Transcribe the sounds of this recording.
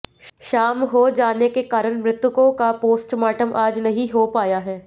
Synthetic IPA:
ʃaːmɦod͡ʒaːnekekaːɾəñmɾɪt̪wʊkõkapoːsʈmaːʈəmʔaːd͡ʒnɐɦĩɦopaːjaɦɛː

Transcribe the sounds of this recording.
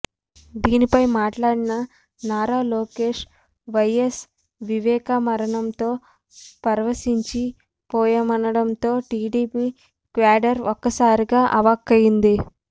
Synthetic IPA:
d̪iːnipɐjmaːʈlaːɽinɐ | naːɾaːloːkeːʂ | ʋɐjes | ʋiʋɛːkamɐɾɐɳɐmt̪o̞ː | pɐɾɐʋɐsiɲt͡ʃi | pɔːjɐmɐnɐɽɐmt̪o̞ːʈiːɖiːpiː | kʋaːɖɐɾɔkːɐsaːɾiɡaːʔɐʋakːɐjind̪i

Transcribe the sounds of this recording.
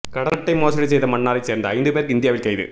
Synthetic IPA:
kɐɽɐnɐʈːɐɪmoːsɐɽis̬ɛjðɐmɐɳːaːɾɐɪseːɾnd̪ɐɐɪnd̪ɯpeːɾkɯɪnd̪jaːʋɪlkɐjðɯ̰

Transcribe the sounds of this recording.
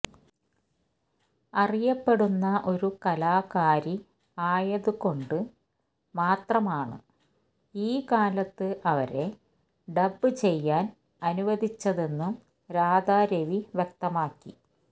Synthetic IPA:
ɐrijɐpːe̞ɽunːɐʔo̞ɾukɐlaːkaːɾi | aːjɐðuko̞ɳɖɨ | maːt̪rɐmaːɳɨ̰ | iːkaːlɐt̪ːɨʔɐʋɐ̰ɾe̞ | ɖɐbːɨt͡ɕe̞jːaːn | ɐnuʋɐd̪ʱit͡ɕːɐðe̞nːum | ɾaːd̪aːɾeʋiʋjek̚t̪ɐmaːkːi

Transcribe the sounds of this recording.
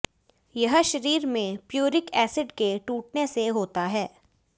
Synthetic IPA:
jɐɦʃɐɾiːɾmẽpjoːɾɪkɛːsɪɖkeʈuːʈ̚neseɦoːt̪aɦɛː

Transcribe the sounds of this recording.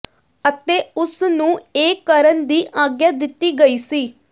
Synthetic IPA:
ət̪eːʊsnũːeːkəɾənd̪iːʔaːɡjaːd̪ɪt̪ːiːɡəiːsiː

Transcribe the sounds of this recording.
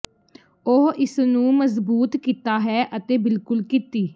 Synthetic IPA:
oɦɪsnũːməzbuːt̪kiːt̪aːɦɛːʔət̪eːbɪlkʊlkit̪iː

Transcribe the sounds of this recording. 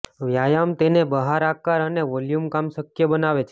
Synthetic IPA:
ʋjajamt̪enebəɦaɾakaɾəneʋɔljumkamʃəkjəbənaʋet͡ʃʰe

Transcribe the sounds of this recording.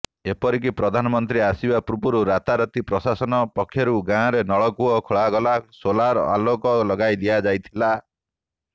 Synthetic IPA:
epɔɾik̬ipɾɔd̪ʱanɔmɔnt̪ɾiasibapɾubuɾuɾat̪aɾɔt̪ipɾɔsasɔnɔpɔkʰːjɔɾuɡãɾenɔɭɔkuɔkʰoɭaɡɔlasolaɾa̰lokɔlɔɡajd̪iad͡ʒajt̪ʰila

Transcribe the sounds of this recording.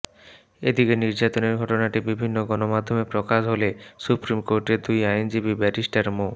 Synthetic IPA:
ed̪ikeniɾd͡ʑat̪oneɾɡʱɔʈonaʈibibʱinːoɡɔnomad̪ʱːomepɾokaʃɦolesupɾimkoɾʈed̪ujajnd͡ʑibibɛʈisʈaɾmo

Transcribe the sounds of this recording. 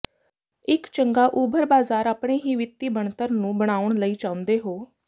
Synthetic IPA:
ɪkt͡ʃəŋɡaːʔuːbʱəɾbaːzaːɾaːpɽeːɦiːʋɪt̪ːiːbəɳt̪əɾnũːbəɽ̃aːʊɳləiːt͡ʃaːʊ̃nd̪eːɦoː

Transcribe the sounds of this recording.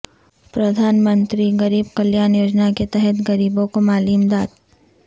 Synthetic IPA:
pɾɐd̪ʱaːnmə̃nt̪ɾiɡɐɾiːbkɐljaːnjoːd͡ʒnaket̪ɛɦɛt̪ɡɐɾiːbõkomaːliːmd̪aːd̪

